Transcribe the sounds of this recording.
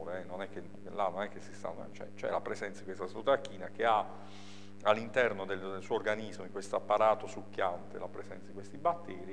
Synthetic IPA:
ɾeɛnonɛk̟ːen | lanːonɛk̟ːesːist̪a̰nːot͡ʃɛ̰t͡ʃɛ̰lapɾezɛnt̪sad̪ikwest̪ast̪ɾut̪akːiːnak̟ea | alːint̪ɛrnod̪eld̪elsuorɡanizmoiŋkwest̪oapːaɾaːt̪osukːjant̪ḛlapɾezɛnt̪sad̪ikwest̪ibat̪ːɛːɾi

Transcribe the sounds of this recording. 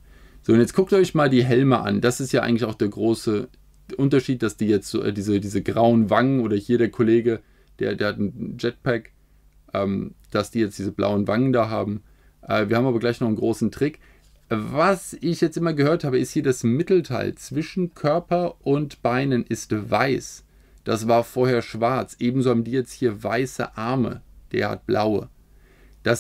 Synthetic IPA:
z̥oːʊntjɛt͡skʰʊk̚tʔɔʏçmaːldiːɦɛlməʔa̰nd̥asɪstjaʔa̰ɪɡŋ̩tlɪçʔaʊxd̥eːɐɡʁoːsə | ʔʊntɐʃiːt̚d̥asd̥iːjɛt͡stːʔɛ̰ːdiːzədiːzəɡʁaʊənvaŋənʔoːɾɐhiːɐɾeːɐkʰoleːɡə | d̥ḛːɐdeːɐhatn̩d͡ʒɛt̚pʰɛk | ʔɛːmd̥asd̥iːjɛt͡sd̥iːzəbla̰ʊənvaŋəndaːɦa̰ːbm̩ | ʔɛ̰ːviːɐhːbm̩aːbɐɡlaɪçnɔχn̩ɡʁoːsn̩tʁ̥ɪk | vasɪçjɛt͡stʔɪmɐɡəhøːɐthaːbəɪsthiːɐdasmɪtl̩tʰa̰ɪlt͡sv̥ɪʃn̩kʰœɐpɐʔʊntb̥aɪnənʔɪstvaɪs | d̥asv̥aːɐfoːɐheːɐʃv̥aɐt͡sʔeːbm̩zoːhaːbm̩diːjɛt͡sthiːɐvaɪsə̰ʔaɐmə̰d̥ḛːɐha̰t̚b̥la̰ʊə̰ | d̥as

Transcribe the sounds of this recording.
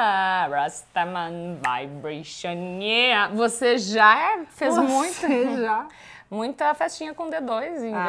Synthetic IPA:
aɾast̪amɐ̃nvajbɾeʃɐ̃neɐvoseʒafezmũj̃t̪ʊʒa | mũj̃t̪ʊɐfɛst͡ʃĩɲɐkõd̪ed̪ojzĩ

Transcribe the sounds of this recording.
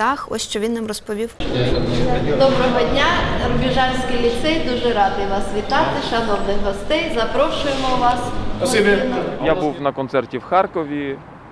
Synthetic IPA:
ɑxɔ̰sʲʃt͡ʃɔʋʲinːamrɔspɔʋʲiw | d̪ɔbɾɔɦɔdʲnʲaɾʊbʲiʒɑlʲsʲkilʲit̪sɪd̪uʒɛɾɑd̪ɪjʋɑsʋʲit̪ɑt̪ɪʃɐnɔwnɪxɦɔst̪ɛjzɐpɾɔʃʊjemɔʋɑs | jabuwnɐkɔnt̪sɛrtʲiwxɑrkɔʋʲi

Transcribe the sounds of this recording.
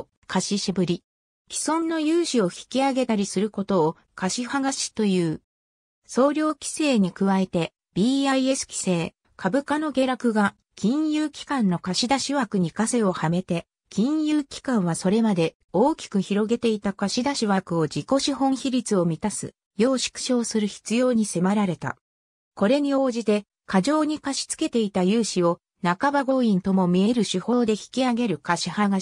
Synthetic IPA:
kʰaɕiɕibɯ̟ɾʲi | kʲi̥sõ̞nːo̞jɯːɕio̞çi̥kʲiaɡe̞t̪aɾʲisɨɾɯ̟ko̞t̪o̞ː | kaɕihaɡaɕi̥t̪o̞jɯ̟ː | so̞ːɾʲo̞ːkʲi̥se̞ːɲ̟ikɯ̟βae̞t̪e̞ | b̥ʲiːaie̞sɨ̥kʲi̥se̞ː | kʰabɯ̟kano̞ɡe̞ːɾakɯ̟ɡa | kʲĩɰ̃jɯːkʲi̥kãnːo̞kaɕid̪aɕiβakɯ̟ɲ̟ikase̞o̞hame̞t̪e̞ | kʲĩɰ̃jɯːkʲi̥kãɰ̃β̞aso̞ɾe̞mad̪e̞ | oːkʲi̥kɯ̟çiɾo̞ɡe̞t̪e̞it̪akaɕid̪aɕiβakɯ̟o̞d͡ʑiko̞ɕihõ̞ɰ̃çiɾʲit͡sɨo̞mʲit̪asɨ̰ | jo̞ːɕi̥kɯ̟̥ɕo̞ːsɨɾɯ̟çi̥t͡sɨjo̞ːɲ̟ise̞maɾaɾe̞t̪a̰ | ko̞ɾe̞ɲ̟io̞ːʑit̪e̞ | kaʑo̞ːɲ̟ikaɕi̥t͡sɨ̥ke̞t̪e̞it̪ajɯ̟ːɕio̞ | nakabaɡo̞ːĩnt̪o̞mo̞mʲie̞ɾɯ̟ɕiho̞ːd̪e̞çi̥kʲiaɡe̞ɾɯ̟kaɕihaɡa

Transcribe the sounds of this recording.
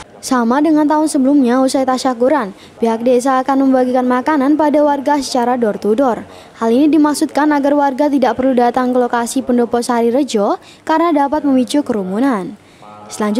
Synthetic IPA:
samadəŋant̪aʊnsəbəlumɲausajt̪aʃakuɾan | piɦak̚des̬aːkanməmbaɡikanmakananpadawarɡasə̥t͡ʃaɾadɔrt̪udɔr | halinidimaksut̪̚kanaɡarwarɡat̪idaʔpərludat̪aŋkəlokasipəndɔpɔsəɦaɾiɾəd͡ʒɔ | kaɾənadapat̪̚məmit͡ʃukəɾumunan | səlaɲd͡ʒ

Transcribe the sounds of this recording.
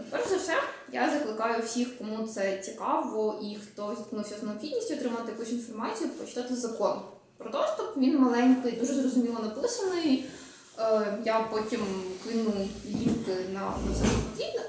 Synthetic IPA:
pɛɾzɐwsɛja̰zɐklˠɪkɑjʊwsʲixkɔmut̪sɛt͡sʲikɑʋɔʔixt̪ɔzʲt̪knuwsʲɐzneʊpxʲid̪ʲnʲisʲtʲiɔt̪ɾɪmɐt̪ɪjɐkusʲinfɔrmɑt͡sʲijʊpɾɔt͡ʃɪ̥t̪ɑt̪ɪzɐkɔn | pɾɔt̪ɔʒt̪ɔpʋʲinmɐlˠɛnʲkɪjd̪uʒɛzrɔzʊmʲilˠɔnɐpɪsɐnɔjʊ | japɔtʲimkɪnʊlʲiwkɪnɐɐsɛpdʲidʲnʲɐ

